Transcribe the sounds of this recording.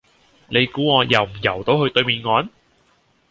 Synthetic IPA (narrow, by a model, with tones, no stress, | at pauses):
ne˨˧jkuː˨˥ŋɔː˨˧jɐ˨˧wm̩˨˩jɐ̰˨˩wt̪o˨˧˥whɵ˧ɥt̪ɵ˧ɥmiː˨˧nŋɔː˨˥n